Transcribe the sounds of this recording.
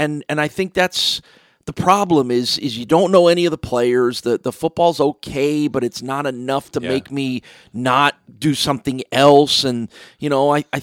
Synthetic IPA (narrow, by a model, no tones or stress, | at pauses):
ɨ̃nɨ̃naɪθɪ̃ŋk̚ðæts | ðəpʰɹ̥ɑblə̃mɪzɪzjɨdõʊ̃nːoʊɛñiʌvðəpʰl̥eɪə˞zðɨðəfʊt̚b̥ɔlˠzoʊkʰeɪbʌɾɨtsnəɾɨnʌftʰəmeɪkmi | nət̚d̥ɨsʌ̃mθɪ̃ŋɛlˠsɨ̃njɨñoʊaɪʔaɪ